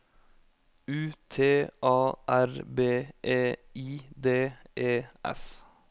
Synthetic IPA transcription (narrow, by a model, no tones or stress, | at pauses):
ʉːt̪ʰeːʔɑːʔæɾbeːʔeːiːd̪eːʔeːʔɛ̰s